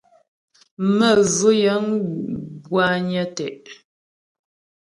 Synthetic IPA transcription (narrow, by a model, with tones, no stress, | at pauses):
mə˦˨zə˦jə˨˦n | bwa˦ɲə˦tɛ˨ʔ